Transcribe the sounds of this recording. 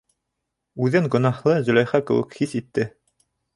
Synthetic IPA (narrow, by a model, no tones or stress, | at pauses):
ʉðɘŋɡɵ̆nɑhlˠɤzɵ̆lʲæjχɑkɘ̰̆wɘ̰khisit̪ːɘ